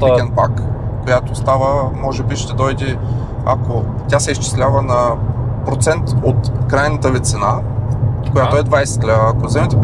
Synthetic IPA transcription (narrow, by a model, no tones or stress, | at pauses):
iɛnpakːojat̪ost̪avəmɔʒɛbiʃt̪ɛd̪ɔjd̪ɛ | a̰ko | t̪ʲasɛist͡ʃi̥slʲavənɐpɾot̪sɛnt̪ot̪kɾajnət̪əvit̪sɛna | kojat̪oɛd̪vajsɛ̥t̪̚klʲavːkozɛmɛt̪ɛ